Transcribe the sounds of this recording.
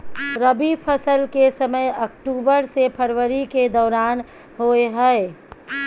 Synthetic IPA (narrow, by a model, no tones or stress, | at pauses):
ɾəbipʰəsəlkesəməjəkʈuːbəɾsepʰəɾʋəɾiked̪ɔːɾaːn | ɦoɦɛe